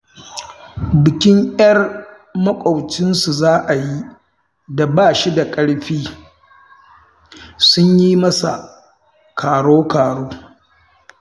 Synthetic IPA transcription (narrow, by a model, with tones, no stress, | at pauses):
bɪ˨kʲɪ˦ŋʔɐ˦r | mɐ˦kʷʼa˨wt͡ʃɪ˦nsu˨zaː˦ʔa˨ji˦ | da˨baː˦ʃi˦da˨kʼɐ˦ɽɸiː˦ | sʊ˦ɲji˦mɐ˦sa̰˨ | kʰaː˨ɽoː˦kaː˨ɽoː˦